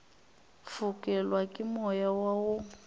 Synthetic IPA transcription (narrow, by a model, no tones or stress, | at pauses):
fʊkʼɛlwakʼɪmɔjawaʊ